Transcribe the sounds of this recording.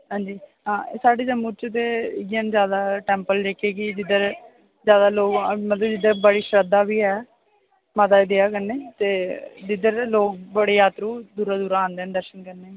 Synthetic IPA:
ɦãːnd͡ʒiːɦãːsaːɖeːd͡ʒəmut͡ʃt̪eːɪɡənzjaːd̪aːʈɛːmpəld͡ʒeːkeːkɪd͡ʒɪd̪əɾ | zjaːd̪aːloːɡmət̪ləbd͡ʒɪd̪əɾbəɽiːʃɾəd̪aːbiːɛː | mət̪aːd̪eːaːkəɾneːt̪eːd͡ʒɪd̪əɾloːkbəɽeːjaːt̪ɾuːd̪uːɾaːd̪uːɾaːãːnd̪eːnd̪əɾʃənkəɾneː

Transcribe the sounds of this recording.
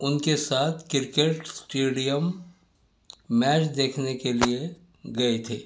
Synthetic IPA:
ʊnkesaːt̪ʰkɪɾkeʈsʈeːɖijəm | ɛːt͡ʃd̪eːkʰnekelie | ɡɐet̪ʰḛː

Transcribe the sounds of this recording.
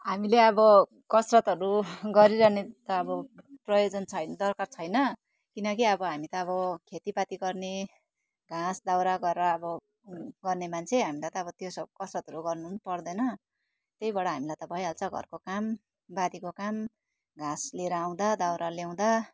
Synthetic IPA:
ɦamileʌbʌ | kʌsrʌt̪ʌɾuɡʌɾiɾʌnet̪ʌːbʌprʌjod͡zʌnt͡sʰʌjnd̪ʌrkart͡sʰʌjnʌ | kinʌkiʌbʌɦamit̪ʌːβʌkʰet̪ipat̪iɡʌrne | ɡãsd̪awɾaɡʌraːbʌ | ɡʌrnemant͡sʰeɦamilajt̪ʌːbʌt̪josʌkʌsrʌt̪ɦʌɾuɡʌrnunpʌrd̪ʌjnʌ | t̪ejbʌɽaɦamilajt̪ʌbʱʌjɦalt͡sʰʌɡʱʌ̰rkokam | bad̪ikokam | ɡãsleɾʌːw̃d̪ad̪awɾaljaw̃d̪a

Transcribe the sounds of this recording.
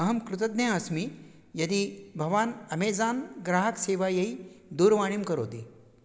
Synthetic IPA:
ɐɦɐmkɾut̪əd̪naɐsmi | jɐd̪iːbʱɐʋaːnɐmeːd͡zaːnɡɾaːɦəkseːʋajɐid̪uːɾʋaɽ̃imkɐɾo̰ːd̪ḭː

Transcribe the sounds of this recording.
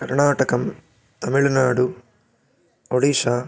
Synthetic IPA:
kɐɾɳaːʈɐkɐm | t̪ɐmiɭɐnaːɽu | oɽiʂaː

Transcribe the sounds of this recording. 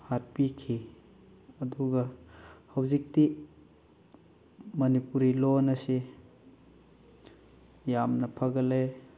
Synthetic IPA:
haɾpikʰi | ɐd̪uɡɐhɐwzik̚ti | mɐnipuɾilonɐse | jamnɐpʰɐɡɐle

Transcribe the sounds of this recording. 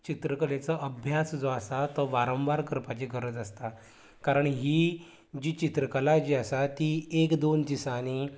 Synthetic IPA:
t͡ɕit̪ɾəkəlet͡səʔəbʱjasd͡zoasat̪ɔʋaɾə̃m̃ʋaɾkəɾpat͡ɕiɡəɾəd͡zəst̪a | kaɾəɳɦiː | d͡ʑiːt͡ɕit̪ɾəkəlad͡ʑiːasat̪iːekd̪ont̪isañi

